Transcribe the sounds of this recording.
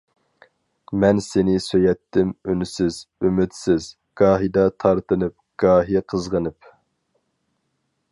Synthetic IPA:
mɛnsenɪsøjɛt̪ʰːɪmynysɪz̥ymɪt̪sɪz̥ | ɡ̥ɑːɦid̪ɑt̪ʰɑɾt̪ɨnɨp̚ɡ̥ɑːɦiqʰəzʁənɨp

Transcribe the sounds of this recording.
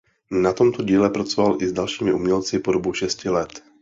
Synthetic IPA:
nat̪omt̪oɟiːlɛpɾat͡sovalʔɪzdalʃiːmɪʔumɲɛlt͡sɪpodobuʃɛscɪlɛt̪

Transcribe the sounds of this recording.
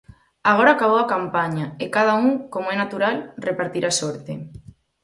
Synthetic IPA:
aɣ̞oɾaːkaβ̞owakampaɲaekað̞auŋkomoɛnat̪uɾalrepaɾt̪iɾʔasoɾt̪ḛ

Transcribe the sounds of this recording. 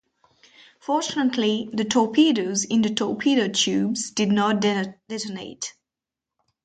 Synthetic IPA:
fɔɹt͡ʃənətʰliðətʰɔpʰiːɾoʊzɪ̃nd̪ətʰɔːpʰiɾoʊtʰjʉːbzdɪdnɔt̚dd̥ɛtonḛɪt

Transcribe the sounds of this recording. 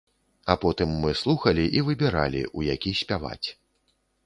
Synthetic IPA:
apɔt̪ɨmːɨslˠuxɐlʲiʔivɨbʲɛɾalʲḭʔujakʲisʲpʲava̰t͡sʲ

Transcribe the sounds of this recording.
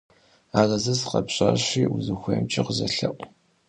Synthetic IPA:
aːrɐzɐzqɐpɕʼaːɕʷiːuzɨxʷeːmt͡ʃʼɪqəzɐɬɐʔʷʼ

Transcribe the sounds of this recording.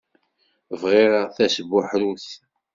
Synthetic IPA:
vʁiɾaθæsəbːʊħɾuθ

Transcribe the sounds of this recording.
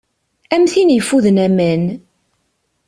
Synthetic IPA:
æmθinjəfːuðənæmæn

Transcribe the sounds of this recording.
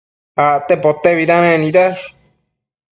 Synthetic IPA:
aʔt̪epot̪eβiɾãɾẽnĩɾas

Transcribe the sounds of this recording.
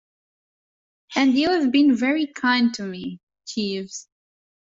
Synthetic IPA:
hæ̃ndiɨvbɨ̃nvɛɹikʰãɪ̃ntʰɨmi | t͡ʃʰivz̥

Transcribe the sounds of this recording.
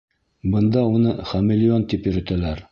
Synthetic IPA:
bɤ̆nd̪ɑunɤχæmɪlʲɪont̪ipjɵ̆ɾɵ̆t̪ælæɾ

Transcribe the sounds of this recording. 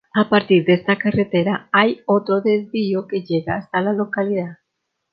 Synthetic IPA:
apaɾt̪iɾd̪est̪akaret̪eɾaajot̪ɾoðezβioke̞ʝeɣaːst̪alalo̞kaliðað

